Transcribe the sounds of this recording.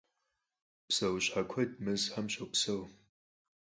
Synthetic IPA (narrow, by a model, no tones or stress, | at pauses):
psɐwɕħakʷʰɐdmɨzħamɕɐwpsɐw